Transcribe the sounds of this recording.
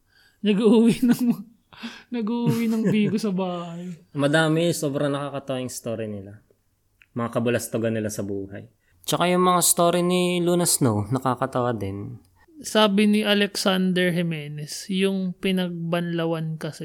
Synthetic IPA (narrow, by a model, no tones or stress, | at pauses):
nɐɡuʔuwinɐŋ | nɐɡuʔuwinɐŋbiːɡʊsɐbaːhɐjmɐd̪aːmɪsoːbɾɐŋnɐkaːkɐt̪ɐwajʊŋst̪oːɾinɪla | mɐŋakɐbʊlɐst̪oɡɐnɪlasɐbuːhɐ̰j | t͡ʃɐkajʊŋmɐŋast̪oːɾinɪluːnɐsnonɐkaːkɐt̪ɐwad̪ɪn | saːbɪnɪʔɐlɛksand̪ɛɹɦɛmɛːnɛsjʊŋpɪnɐɡ̚bɐnlɐwankɐsɛ